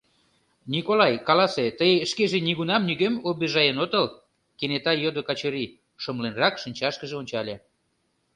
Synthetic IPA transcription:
nʲikolɑjkɑlɑset̪əjeəʃkeʒeniɣunɑmnyɣemobeʒɑjənot̪əl | kenet̪ɑjod̪okɑt͡ɕəɾi | ʃəmlenrɑkʃənʲt͡ɕɑʃkəʒeonʲt͡ɕɑlʲe

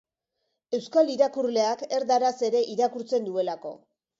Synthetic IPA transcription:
e̞wskaliɾakuɾle̞ake̞ɾd̪aɾase̞ɾe̞ʔiɾakuɾt͡se̞nd̪ue̞lako̞̰

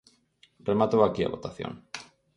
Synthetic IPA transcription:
remat̪owakia̰βot̪aθjo̰ŋ

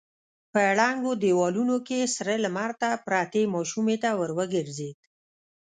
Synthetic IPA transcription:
pəɽaŋɡod̪ewɑlunokesɾələmaɾt̪apɾɑt̪emɑʃumet̪awəɾwəɡəɾzed̪

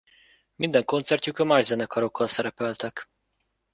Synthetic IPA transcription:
mind̪ɛŋko̞nt̪sɛrcukɒmaːʒzɛnɛkɒɾo̞kːɒlsɛɾɛpɛlt̪ɛk

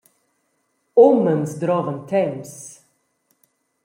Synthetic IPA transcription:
ɔmənsd̪ɾɑːvənt̪ʰɛms

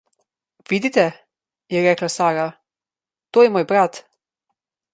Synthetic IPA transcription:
ʋid̪it̪ɛ | jɛɾɛːklasaːɾa | t̪oːjɛmoːjbɾat̪

